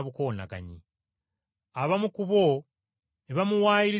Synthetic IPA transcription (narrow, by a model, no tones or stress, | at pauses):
βuko̞ːna̰ɡa̰ɲi | aβamukuβo | eβamuwaːjiɾi